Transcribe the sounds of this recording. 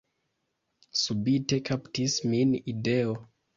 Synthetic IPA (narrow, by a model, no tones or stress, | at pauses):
subite̞kʰaptisminide̞o